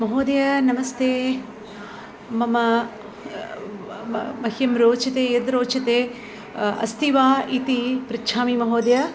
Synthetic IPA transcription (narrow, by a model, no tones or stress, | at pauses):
mɐɦoːd̪ɐjɐnɐmɐst̪ʰeː | mɐmɐ | mɐɦjɐmɾoːt͡ʃɐt̪eːjɐd̪ɾoːt͡ʃʰɐt̪eː | ɐ̰st̪iʋaːit̪ipɾɐtːʃʰaːmimɐɦoːd̪jɐ